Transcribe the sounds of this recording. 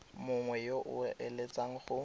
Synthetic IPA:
mʊŋwɛjoʔʊʔelet͡sʼaŋ̩χʊ

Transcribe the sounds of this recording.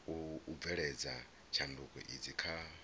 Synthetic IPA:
uːvɛɺɛd͡za | t͡ʃʰandukʼɔ̰ʔid͡zikʰa

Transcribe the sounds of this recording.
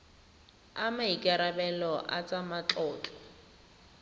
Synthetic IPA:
amaikʼaɾabɛlɔʔa̰t͡sʼamat͡ɬʼɔːt͡ɬʼɔ̥

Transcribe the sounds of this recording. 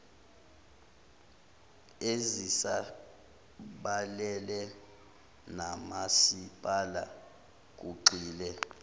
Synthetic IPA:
ezisa | ɓalɛlɛ | namasipʼala̰ | k̬ʼuǀiːlɛ

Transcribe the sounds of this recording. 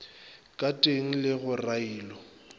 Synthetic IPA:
kʼatʼeŋ̩lɪɣʊraiːlɔ

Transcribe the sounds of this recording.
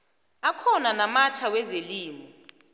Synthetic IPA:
akʰɔnanamatʰawɛzeliːmɔ

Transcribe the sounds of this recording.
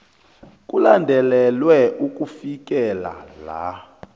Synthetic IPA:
k̬ʼulandʱɛlɛlwɛʔuk̬ʼufik̬ɛla̰la̰

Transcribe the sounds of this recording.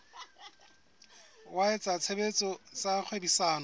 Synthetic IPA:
waet͡sʼat͡sʰebet͡sɔt͡sak͡xʰwebisaːnɔ

